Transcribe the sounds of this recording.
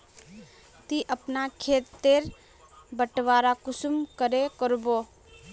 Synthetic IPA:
t̪iʔəpnakʰeːt̪ːeɾ | bəʈʋaːɾakʊsmkəɾekəɾbo

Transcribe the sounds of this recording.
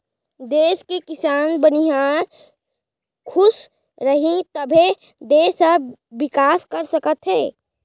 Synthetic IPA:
d̪eːskekɪsaːnbəniɦaːɾ | kʰʊs | ɾəɦĩt̪əbʱe | d̪eːsəːɪkaːskəɾsəkət̪ɦeː

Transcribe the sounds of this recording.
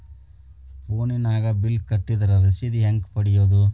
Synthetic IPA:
poːninaːɡɐbilkɐʈːid̪ɐɾɐɾisid̪iɦɐŋkpɐɽijoːd̪u

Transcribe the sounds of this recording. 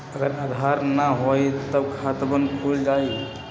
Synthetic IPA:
əɡəɾad̪ʱaɾnaɦojt̪əbkʰat̪bənkʰuld͡ʒaji

